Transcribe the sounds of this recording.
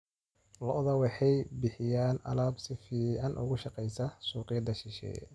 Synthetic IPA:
lɔʔðɐwɑħɑjbɪħɪjaːnɐ̰laːbsɪfiːʕɑnʔʊ̰ɣʊʃɑqɛjsɐsuːqɪjɐd̪ɐʃɪʃɛ̰ː

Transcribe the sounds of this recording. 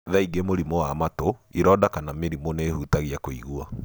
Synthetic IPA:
ðaiɡemoɾimoamatoiɾɔːdakanameɾimoneːhutaɣiakoḭɣua

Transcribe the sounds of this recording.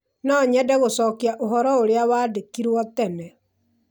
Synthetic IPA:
nɔɲɛdɛɣosɔːkiaʔoɦɔɾɔoɾeawaːdekiɾwɔtɛnɛ

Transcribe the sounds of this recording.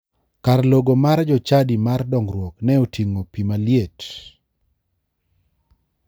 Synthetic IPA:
karloɡomard͡ʒɔt͡ʃadimardɔŋɾwɔknɛotʰiŋopimaljet

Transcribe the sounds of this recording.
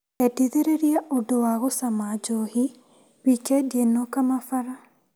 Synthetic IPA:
ɛdiðeɾeɾiaʔodowaɣosamad͡ʒohi | wikɛdenːɔkamafaɾa

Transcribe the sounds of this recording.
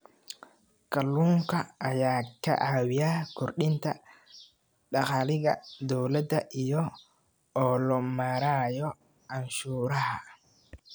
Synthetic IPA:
kɐlːuːŋkʰɐːjaːkʰɐ̰ʔaːwɪjaːkʰɔrɗɪnt̪ʰɐ | ɖɑqɑːlɪɣɐd̪ɔwlɐd̪ɐʔijɔ | ɔːlɔmaːɾaːjɔ | ʕɑnʃuːɾɐɦɐ

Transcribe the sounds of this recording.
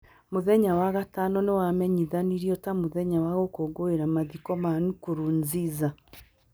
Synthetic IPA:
moðɛɲawaɣatanɔnewamɛɲiðaniɾiɔtamoðɛɲawaɣokoːɡoeɾamaðikɔmanukoɾuːnziza

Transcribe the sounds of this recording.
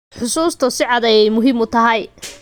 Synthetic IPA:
ħʊsuːst̪ʰʊsɪʕɑd̪ɛjjmʊɦɪmʊt̪ʰɐɦɛj

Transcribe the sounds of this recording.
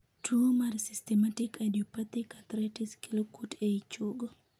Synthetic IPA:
tʰumarsistɛmatikadiɔpat̪ikat̪ɾɛtiskilokuteit͡ʃoɡo

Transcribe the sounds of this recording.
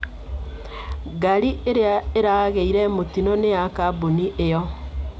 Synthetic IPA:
ɡaɾiʔeɾeaeɾaɣeiɾɛmotinɔnejakaboniʔejɔ

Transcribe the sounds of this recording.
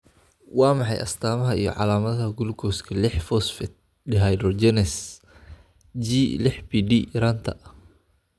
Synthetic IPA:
wamaħajʔa̰st̪amaɦaijɔ̰ʕa̰lamat̪haɡulkɔskəlɛħfɔsfɛt̪̚ | diɦajdɾɔd͡ʒɛnɛs | d͡ʒilɛħpidiɾant̪a̰ʔ

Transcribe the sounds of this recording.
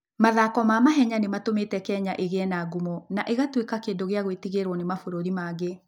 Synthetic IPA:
maðakɔmaːmaɦɛɲanematometɛkɛɲaʔeɣɛnaɡumɔnaʔeɣatwekakeːndoɣeaɣwetiɣeɾwɔnemafoɾoɾimaɣe

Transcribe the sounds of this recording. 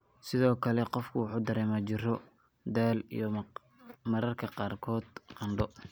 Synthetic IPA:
sɪðɔːkʰɐlɛqɔfkʰʊwʊħuːd̪ɐɾɛːmat͡ʃɪrɔ | d̪aːlḭjɔ | mɐɾɐrkʰɐqɑːrkʰɔːd̪qɑnɖɔ

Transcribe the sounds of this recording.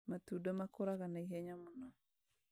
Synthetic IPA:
matudomakoɾaɣanaiɦɛɲamunɔ

